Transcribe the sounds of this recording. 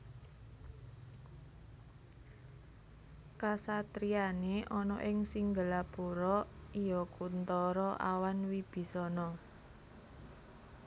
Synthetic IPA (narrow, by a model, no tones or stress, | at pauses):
kasat̪ɾianeʔɔnɔʔɪŋsiŋɡəlapuɾɔijɔkunt̪ɔɾɔʔa̰wanwib̥i̤sɔnɔ